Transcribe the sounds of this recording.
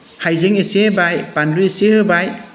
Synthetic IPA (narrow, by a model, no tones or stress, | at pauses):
hajzeŋesebajpanluesehɯbaj